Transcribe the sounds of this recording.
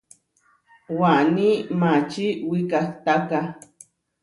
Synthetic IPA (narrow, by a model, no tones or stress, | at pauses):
wanimat͡ʃiwikaht̪aka